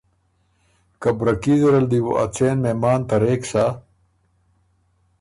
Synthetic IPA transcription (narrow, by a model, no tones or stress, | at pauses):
kɐbɾɐkizeɾɐld̪iwo̰ʔɐ̰t͡seːnmemaːnt̪ɐɾeːksa